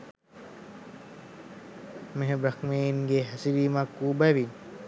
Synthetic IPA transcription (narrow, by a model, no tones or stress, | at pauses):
meɦebɾɐxmeːinɡeɦæsiʋiːmakːuːbæʋi